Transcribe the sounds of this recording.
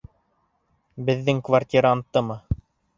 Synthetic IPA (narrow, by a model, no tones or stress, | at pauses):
bɘ̆ðːɘŋkvartʲiɾant̪ːɤmɤ